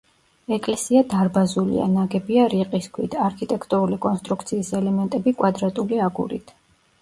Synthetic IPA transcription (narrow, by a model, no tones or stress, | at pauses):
ɛkʼlɛsiad̪aɾbazulḭa̰naɡɛbiaɾiqʼiskʰwḭt̪ʰaɾkʰit̪ʼɛkʰt̪ʼuɾulikʼɔnst̪ʼɾukt̪sʰiːsɛlɛmɛnt̪ʼɛbikʼwad̪ɾat̪ʼuliaɡṵɾḭt̪ʰ